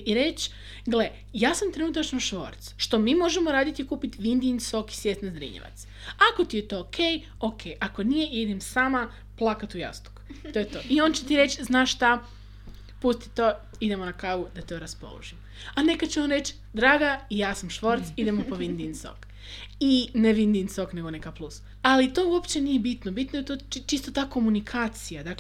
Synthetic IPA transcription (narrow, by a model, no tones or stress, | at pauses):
iɾe̞t͡ʃ | ɡle | jaːsamt̪ɾenut̪at͡ʃnoʃʋo̞̰ːɾt̪sʃt̪o̞miːmo̞ʒemoɾaːd̪it̪ikuːpit̪ʋind̪insoki̥sjesnazɾḭɲa̰ʋa̰t̪s | ako̞t̪ijet̪o̞kʰej | okʰejʔakonijeʔid̪emsaːma | plˠakat̪uja̰st̪u̥kt̪o̞jet̪o̞ʔiont͡ɕet̪iɾe̞t͡ʃznaːʃt̪a | pust̪i̥t̪o | id̪emonakaɡud̪at̪oɾaspo̰lˠo̰ʒim | ane̞kat͡ɕeonɾe̞t͡ɕ | d̪ɾaːɡaijaːsamʃʋo̞ɾt̪sid̪e̞mopoʋind̪inso̰k | ineʋind̪insokne̞ɡonekaplus | alit̪o̞ːuo̞pt͡ɕenijebit̪nobit̪nojet̪ot͡ʃt͡ʃist̪ot̪aːko̞munikʰaːt̪sijad̪ak